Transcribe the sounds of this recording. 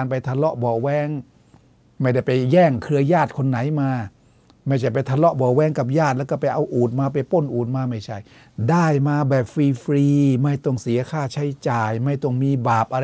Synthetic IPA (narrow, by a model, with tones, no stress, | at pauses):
npa˧jt̪ʰa˧lɔ˦˥ʔbɔː˨˩wɛː˧˥˩ŋ | ma˥˩jda˥˩jpa˧jːɛː˧˩ŋkʰɯ˧ɐjaː˥˩t̪̚kʰo˧nːa˩˦jmaː˧ | ma˥˩jt͡ɕʰa˥˩jpa˧jt̪ʰa˧lɔ˦˥ʔbɔː˨˩wɛː˦˥˩ŋka˨˩p̬̚jaː˥˩t̪̚lɛː˦˥˩kɔ˥˩p̬a˧jʔa˧wʔuː˨˩t̪̚maː˧p̬a˧jpo˧˥˩nʔuː˨˩t̪̚maː˧ma˥˩jt͡ɕʰa˥˩j | daː˧˥˩jmaː˧bɛː˨˩p̚fiː˧fɾiː˧ma˥˩jt̪o˨˩ŋsi˨˦ɐkʰaː˥˩t͡ɕʰa˦˥˩jt͡ɕaː˨˩jma˥˩jt̪o˧˩ŋmiː˧baː˨˩p̚ʔa˧ɾ